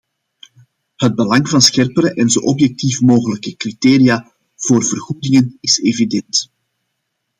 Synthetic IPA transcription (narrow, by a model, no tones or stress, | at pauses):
həd̚bəlɑŋvɑnsxɛrpəɾəʔɛnzoːʔɔpjɛk̚tifmoːɣələkəkriteːɾijaː | v̥oːrvərɣuːdɪŋənɪseːvidɛnt